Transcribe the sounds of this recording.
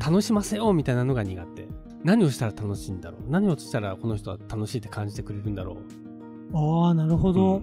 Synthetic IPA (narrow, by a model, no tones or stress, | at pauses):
t̪ano̞ɕimase̞jo̞mʲit̪ainano̞ɡaɲ̟iɡat̪ːe̞̰ | naɲ̟io̞ɕi̥t̪aɾat̪ano̞ɕĩnd̪a̰ɾo̞̰ːnaɲ̟ioi̥t̪aɾako̞no̞ç̬̥t̪o̞βa̰t̪ano̞ɕiːt̪ːe̞kʰãɲ̟d͡ʑi̥t̪e̞kɯ̟ɾe̞ɾɯ̟̃nd̪aɾo̞̰ː | aːnaɾɯ̟ɦo̞d̪o